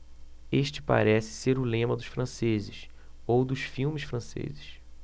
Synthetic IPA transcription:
eʃt͡ʃɪ̥pa̰ɾɛsɪ̥seɾʊlẽmɐd̪ʊʃfɾɐ̃sezɪʃ | owd̪ʊʃfiwmɪʃfɾɐ̃sḛzɪʃ

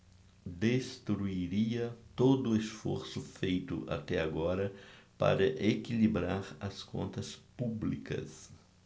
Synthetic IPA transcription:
d̪est̪ɾuiɾiɐt̪od̪ʊesfo̰ɾsʊfejt̪ʊ̰ʔa̰t̪ɛaɡɔɾɐpa̰ɾɐʔekilibɾaɾɐskõ̰nt̪ɐspublikɐ̰s

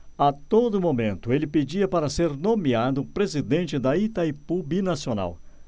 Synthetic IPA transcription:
at̪od̪ʊmomẽnt̪ʊelɪped͡ʒiɐpaɾɐseɾnõmiad̪ʊpɾezid̪ẽnt͡ʃɪd̪ɐit̪ɐipubinasiona̰w

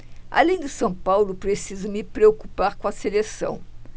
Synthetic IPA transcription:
a̰lẽj̃d̪ɪsɐ̃w̃pawlʊpɾesizʊmɪpɾeoku̥paɾkõɐselesɐ̰̃w̃

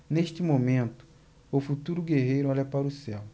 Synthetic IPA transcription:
neʃt͡ʃɪmomẽnt̪ʊ̥ | ʊfut̪uɾʊɡeɦejɾʊɔʎɐpaɾʊsɛw

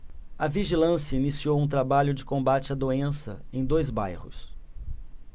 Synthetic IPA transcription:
ɐviʒilɐ̃sjɐinisiowũt̪ɾabaʎʊd͡ʒɪkõbat͡ʃɪɐd̪oẽsɐ̰ẽj̃d̪ojzba̰jhʊ̰s

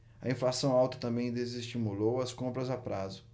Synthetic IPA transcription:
ɐ̰ĩflasɐ̃w̃awt̪ɐ̥t̪ɐ̃mbẽj̃d̪ezest͡ʃimulowɐskõmpɾɐzapɾazʊ

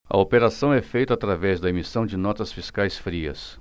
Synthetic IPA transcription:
ɐ̰opeɾasɐ̃w̃ɛfejt̪ʊat̪ɾavɛzd̪ɐemisɐ̃w̃d͡ʒɪnɔt̪ɐsfiskajsfɾiɐ̰s

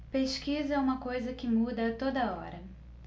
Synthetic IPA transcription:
peʃkizɐɛũmɐkojzɐkɪmud̪ɐt̪od̪ɐɔ̰ɾɐ

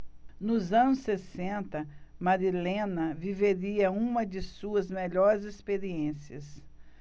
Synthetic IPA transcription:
nʊzɐ̃nʊsːesẽnt̪ɐmaɾilẽnɐviveɾiɐũmɐd͡ʒɪsuɐzmeʎɔɾɪzespeɾiẽsiɐs

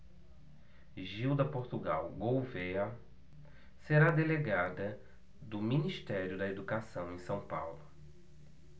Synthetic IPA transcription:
ʒiwd̪ɐpoɾt̪uɡa̰wɡowveɐ | seɾad̪eleɡad̪ɐ | d̪ʊminiʃt̪ɛɾjʊd̪ɐed̪ukasɐ̃w̃ẽj̃sɐ̃w̃pa̰wlʊ

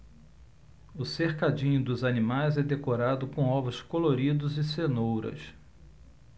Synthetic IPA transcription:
ʊseχkad͡ʒĩɲʊd̪ʊzanimajzɛd̪ekoɾad̪ʊkõɔvʊskoloɾid̪ʊzɪsenowɾɐ̰s

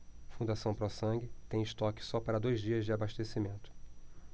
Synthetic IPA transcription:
fũnd̪asɐ̃w̃pɾɔsɐ̃ŋɡɪt̪ẽj̃ɪʃt̪ɔkɪ̥sɔpaɾɐd̪ojzd͡ʒiɐzd͡ʒɪabaʃt̪esimẽnt̪ʊ̥

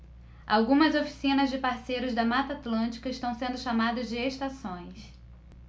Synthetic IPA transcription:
a̰wɡũmɐzofi̥sĩnɐzd͡ʒɪpaɾsejɾʊzd̪ɐmat̪at̪lɐ̃nt͡ʃi̥kɐɪʃt̪ɐ̃w̃sẽnd̪ʊʃamad̪ɐzd͡ʒɪeʃt̪asõj̃s

